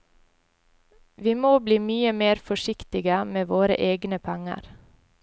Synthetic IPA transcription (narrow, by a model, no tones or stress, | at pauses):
ʋiːmoːbliːmyːəmeːɾfɔʃɪkt̪ɪɡəmeːʋoːɾə̰ʔeːɡnəpʰɛŋə̰ɾ